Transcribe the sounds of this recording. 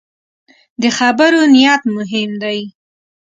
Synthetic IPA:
d̪əxabaɾonijɑt̪mʊɦɪmd̪aj

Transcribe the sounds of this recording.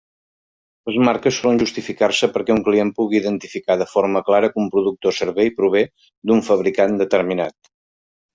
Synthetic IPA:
ləzmaɾkəsːɔlənʲʒust̪ifikarsəpəɾkɛuŋkliempuɣiːðənt̪ifikaðəfoɾməklaɾəkumpɾuðuk̚t̪osəɾβejpɾuβ̞e | d̪uɱfəβɾikand̪ət̪əɾminat̪

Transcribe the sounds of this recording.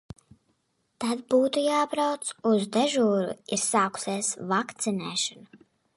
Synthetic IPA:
t̪ad̪buːt̪ujaːbɾawt̪suzd̪ɛʒuːɾṵiɾsaːku̥seːsvakt̪sinɛːʃɔnu

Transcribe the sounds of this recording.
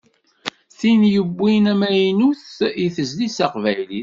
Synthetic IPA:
θinjəbːinæmæjnuθiθəzlisæqvæjliθ

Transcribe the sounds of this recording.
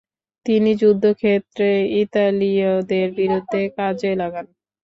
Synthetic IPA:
t̪inid͡ʑud̪ʱːokʰet̪ːɾeit̪alid̪eɾbiɾud̪ʱːekad͡ʑelaɡan

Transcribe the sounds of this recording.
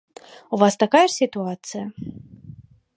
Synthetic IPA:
uvast̪akajɛʂsʲit̪uat̪sɨjɐ

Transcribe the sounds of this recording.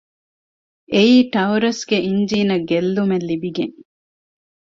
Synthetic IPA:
eiːʈɐuɾɐsɡeʔiɲd͡ʒiːnɐɡelːumelːibiɡeŋ

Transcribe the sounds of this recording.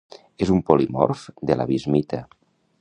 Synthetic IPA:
ezumpolimɔ̰ɾfd̪ela̰βizmit̪a

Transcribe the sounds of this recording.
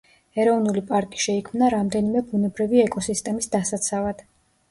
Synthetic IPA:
ɛɾɔvnulipʼaɾkʼi̥ʃɛikʰmnaɾamd̪ɛnimɛbunɛbɾiviɛkʼɔsist̪ʼɛmisd̪asat̪sʰavad̪̥

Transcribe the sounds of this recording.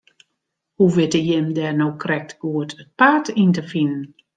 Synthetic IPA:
huʋɪtəjɪmdɛːnowkrɛk̚tɡ̥uətʰət̚paːtintəfinən

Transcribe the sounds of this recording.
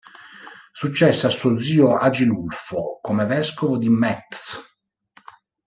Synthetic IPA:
sut͡ʃːɛsːeasːuod̪ziːoad͡ʒilulfokomevɛskovod̪imɛt̪s

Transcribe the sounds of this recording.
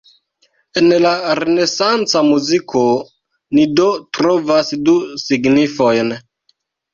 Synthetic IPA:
enlaɾene̞sant͡samuzikʰo | nidotɾovasdusiɡnifojn

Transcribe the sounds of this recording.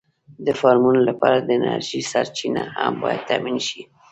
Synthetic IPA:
d̪əfɑɾmunolapɑɾad̪əɪna̰ɾʒisaɾt͡ʃinahambɑjad̪̚t̪ːaminʃi

